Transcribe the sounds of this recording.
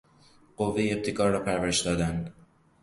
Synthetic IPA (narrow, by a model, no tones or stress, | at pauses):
ɢovːejeb̚t̪ʰekʰɒːɾːɒːpʰæɾvæɾeʃd̪ɒːd̪ænd̪